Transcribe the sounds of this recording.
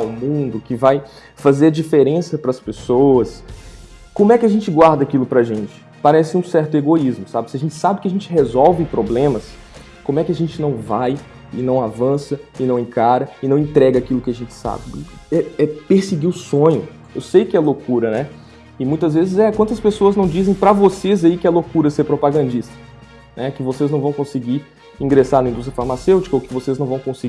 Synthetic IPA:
wmũd̪ʊkɪvaj | fazeɾd͡ʒifeɾẽsɐpɾɐspesowɐs | kõmʊɛkɪɐʒẽnt͡ʃɪɡwaɾd̪ɐakilʊpɾɐʒẽnt͡ʃɪ̥ | paɾɛsɪũsɛɾt̪ʊeɡoizmʊsabɪsɪɐʒẽnt͡ʃɪ̥sabɪkɪaʒẽnt͡ʃɪɦezɔwvɪ̃pɾoblẽmɐs | kõmʊɛkɪɐʒẽnt͡ʃɪnɐ̃w̃vaj | ɪ̰nɐ̃w̃avɐ̃sɐɪnɐ̃w̃ẽkaɾɐɪnɐ̃w̃ẽt̪ɾɛɡɐakilʊkɪaʒẽnt͡ʃɪ̥sa̰bɪɛɛpeɾsɪɡiʊsõɲʊ | ḛwsejkɪɛlokuɾɐnɛ | ɪmũj̃t̪ɐzvezɪzɛkwɐ̃nt̪ɐspesoɐznɐ̃w̃d͡ʒizẽj̃pɾɐvosezaikɪɛlokuɾɐseɾpɾopaɡɐ̃nd͡ʒist̪ɐ̥ | nɛkɪvoseznɐ̃w̃vɐ̃w̃kõsɪɡi | ĩɡɾesaɾnɐĩd̪ust̪ɾjɐfaɾmasewt͡ʃi̥kɐowkɪvoseznɐ̃w̃vɐ̃w̃kõsɪɡ

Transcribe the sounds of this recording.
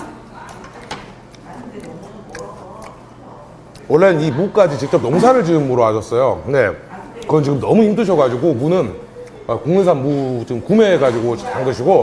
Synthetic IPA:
wʌɭːenimuk͈ad͡ʑit͡ɕik̚t͡ɕ͈ʌp̚noms̬ʰaɾɯɭt͡ɕɯnmuɾoad͡ʑʌs͈ʌjokɯne̞kʌnɯnt͡ɕiɡɯmnʌmuimtʰɯɕʰʌɡad͡ʑiɡomunɯn | ʌkoŋnɯesʰanmut͡ɕimkumeːɡad͡ʑiɡot͡ɕaŋɡɯɕʰiɡo

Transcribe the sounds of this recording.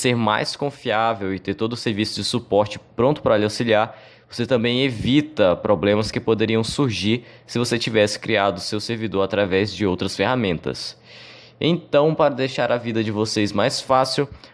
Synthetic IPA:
seɾma̰jskõfiavewɪt̪eɾt̪od̪ʊseɾvisʊd͡ʒɪsupɔɾt͡ʃɪ̥pɾõnt̪ʊ̥pɾɐlawsiliaɾ | voset̪ɐ̃bẽj̃evit̪ɐpɾʔoblẽmɐskɪpod̪eɾiɐ̃w̃suɾʒiɾsɪvoset͡ʃivɛsɪ̥kɾiad̪ʊsewseɾvid̪oɾat̪ɾavɛzd͡ʒɪowt̪ɾɐsfehamẽnt̪ɐ̰s | ḛ̃nt̪ɐ̃w̃paɾɐd̪ejʃaɾɐvid̪ɐd͡ʒɪvosezmajsfasiw

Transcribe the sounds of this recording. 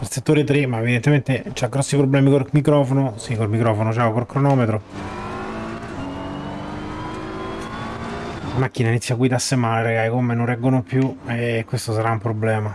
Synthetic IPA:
pelset̪ːoːɾet̪ɾemaevid̪ent̪ement̪et͡ʃaɡɾɔsːipɾobːlɛːmikolmikɾɔːfonosikolmikɾɔːfonot͡ʃaokolkɾonɔːmet̪ɾo | amakːinainit̪sːjaɡwid̪asːemaːleɾaɡaikomːenonrɛɡːonopjuekːwest̪os̬aɾaumpɾoblɛːma

